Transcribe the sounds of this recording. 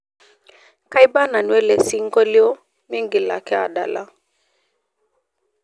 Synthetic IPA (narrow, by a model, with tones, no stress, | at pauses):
ka˦jba˦na˨nwɛ˦lɛ˨si˦ŋ̩˦kɔ˦li˦ɔ˦ | mi˦ŋɡi˨la̰˨kɛ˦a̰˨ɗa̰˨la˦